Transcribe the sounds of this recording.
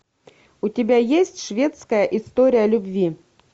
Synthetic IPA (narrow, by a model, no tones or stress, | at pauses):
ut̪ʲɪbʲæjesʲtʲʂvʲe̞t̪skəjəʔɪst̪o̞ɾʲɪjəlʲʉbʲvʲi